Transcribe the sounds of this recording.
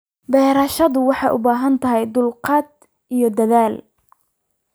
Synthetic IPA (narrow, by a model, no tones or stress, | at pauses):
bɛːɾɐʃɐðʊwɑħɑjʔʊbaːɦɐnt̪ʰɐɦɛjd̪ʊlqɑːd̪̚ | ʔijɞd̪ɐðaːl